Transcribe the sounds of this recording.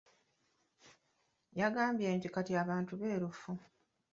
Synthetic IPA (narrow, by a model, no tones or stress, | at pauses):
jaɡaːmbje̞ːɲcikatjaːβaːntuβe̞ːɾufu